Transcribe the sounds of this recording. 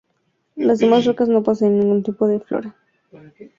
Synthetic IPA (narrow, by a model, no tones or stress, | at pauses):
lazdemasrokazno̞pas̬anenːĩŋɡunt̪ipoðeflo̰ɾa